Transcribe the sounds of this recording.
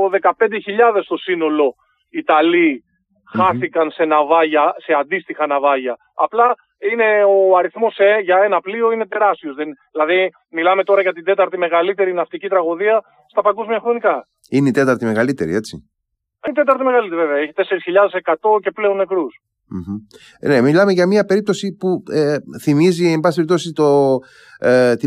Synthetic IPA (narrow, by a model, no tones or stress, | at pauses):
oðe̞kɐpe̞nd̪eçiʎɐðe̞st̪o̞sino̞lo̞ | it̪ɐli | xɐθikɐnse̞nɐvɐʝɐse̞ɐnd̪ist̪ixɐnɐvɐʝɐ | ɐplɐ | ine̞oɐɾiθmo̞seʝɐe̞nɐplio̞ine̞t̪e̞ɾɐst̪io̞zðenðilɐði | milɐme̞t̪o̞ɾɐʝɐt̪ind̪e̞t̪ɐɾt̪ime̞ɣɐlit̪e̞ɾinɐft̪icit̪ɾɐɣo̞ðiɐ | st̪ɐpɐɡozmiɐxɾo̞nikɐ | ineit̪e̞t̪ɐɾt̪ime̞ɣɐlit̪e̞ɾḭe̞t͡sḭ | int̪e̞t̪ɐɾt̪ime̞ɣɐlit̪ɾiveveɐeçi̥t̪e̞se̞ɾisçiʎɐðe̞se̞kɐt̪o̞ce̞ple̞o̞nːe̞kɾus | m̩ç̩ | ne̞milɐme̞ʝɐmiɐpe̞ɾip̚t̪osipueθimiziembɐsipeipt̪o̞sit̪o | t̪i